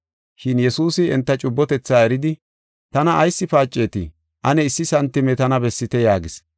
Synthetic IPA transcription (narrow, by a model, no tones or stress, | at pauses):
ʃɪnjɛsuːsɪɛnt̪ːɐt͡ʃʼʊbːɔt̪ɛt͡sːaːɛɾɪd̪ɪ | t̪ɐnɐːjsːɪfaːt͡ʃʼːe̞ːt̪ɪ̰ | ʔɐnɛɪsːɪsɐnt̪ːɪmɛt̪ɐnɐbɛsːɪt̪ɛjaːɡɪs